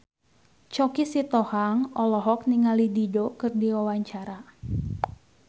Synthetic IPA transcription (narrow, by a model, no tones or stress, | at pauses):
t͡ʃɔkisit̪ɔhaŋɔlɔɦɔk̚niŋalididokɨrdiwawaɲt͡ʃaɾa